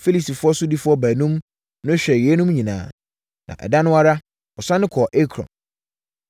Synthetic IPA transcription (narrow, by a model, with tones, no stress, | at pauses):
fe˦li˨si˨fʊ˦ɔ˦sʊ˦di˦fʊ˦ɔ˦bæ˨nũ˦m | nʊ̃˦ɕᶣɛ˨jɛ˨e˦nũ˦mɲĩ˨nã̰ː˨ | nʔã̰˨ʔɛ̰˨da˦nʊ̃˦a˦ɾa˦ | ɔ˨sã˦nʊ̃˦kʰɔ˨ʔe˦kʰɾɔ̰̃˨m